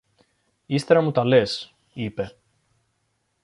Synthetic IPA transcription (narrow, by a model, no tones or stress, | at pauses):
ist̪e̞ɾɐmut̪ɐle̞s | ipe̞